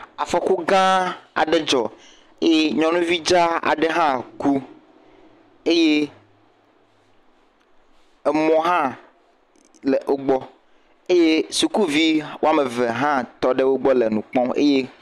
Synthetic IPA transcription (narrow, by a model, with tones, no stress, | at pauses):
a˨fɔ˨ku˦ɡã˦a̰˨ɖe˦d͡ʒɔ˨ | e˦je˦ɲɔ̃˨nũ˦vi˦d͡ʒa˦a̰˨ɖe˦ɦã˦ku˦ | e˦je˦ | ɛ˨mɔ̃˦ɦã˦ | le˨ʔo˦ɡ͡bɔ˦ | e˦je˦su˨ku˦vi˦wo˦a˦me˨ve˨ɦã˦t̪ɔ˦ɖe˦wo˦ɡ͡bɔ˦le˨nũ˨k͡pɔ̃˦ḛ˦je˦